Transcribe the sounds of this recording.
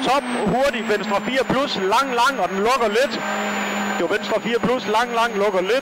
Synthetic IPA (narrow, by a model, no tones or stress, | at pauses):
t͡sʰɒ̽b̥hoɐdiʋensd̥ʁɐfiːɐpʰluslɑ̈ŋ̰lɑ̈ŋ̰ɒ̽d̥enlɔ̽ɡ̥ɐle̝d̥ | d̥eʋensd̥ʁɐfiːɐpʰluslɑ̈ŋ̰lɑ̈ŋ̰lɔ̽ɡ̥ɐle̝d̥